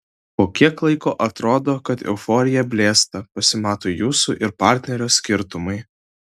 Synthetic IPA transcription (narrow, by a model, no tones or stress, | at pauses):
poːkʲiɛklˠɐɪkoːʔɐt̪ɾoːd̪oːkɐt̪ɛ̰ʊfɔɾʲɪjɛbʲlʲeːst̪ɐpɐsʲɪmɑːt̪oːjuːsṵʔɪɾpɑˑɾʲt̪ʲnʲɛɾʲoːsʲkʲɪɾt̪ʊmɐɪ